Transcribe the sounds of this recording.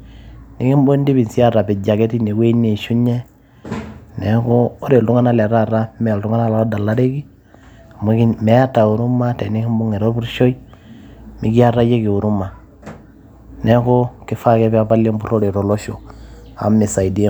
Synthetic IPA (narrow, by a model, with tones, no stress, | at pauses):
ni˦ki˦mbo˦ndi˦bi˨nsi˦a˦ɾa˨pi˨d͡ʒa˨ke˦ti˦ne˨kwe˦i˦ne˨ʃu˦ɲe˦ | nɛ˨˦ko˦o˦ɾe˨ltu˦ŋa˦na˦˨lɛ˨ɾa˨ɾa˦mɛ˨ltu˦ŋa˦na˦la˨˦da˨la˦ɾe˦ki˦˨ | me˦kimɛ˨˦a˦ta˨u˨ɾu˦ma˦tɛ˨ni˦ki˦mbu˦ŋe˨ɾo˦bu˦ɾʃo˦i˦ | mi˦ki˦a˦ɾa˦je˦ki˨u˨ɾu˦ma˨ | ne˦ko˦kɪ˦fa˦kɛ˦pa˦pa˦le˦mbu˦ɾo˦ɾe˨ɾo˨lo˦ʃo˨a̰˨mi˨sa˨i˨di˦